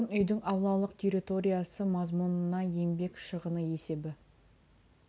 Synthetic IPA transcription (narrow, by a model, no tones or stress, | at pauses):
ənʏjd̪ɪŋɑwlˠɑlˠəqt̪ʰe̞ɾʲit̪o̞ɾʲijasəmɑzmunənɑje̞mbe̞kʃəʁənəe̞se̞bɪ